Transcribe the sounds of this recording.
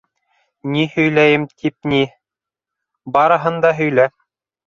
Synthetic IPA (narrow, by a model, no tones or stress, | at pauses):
nihɵ̆jlæjɘmt̪ʰip̚ni | bɑɾɤ̆ɦɤ̆nd̪ɑɦɵ̆jlæ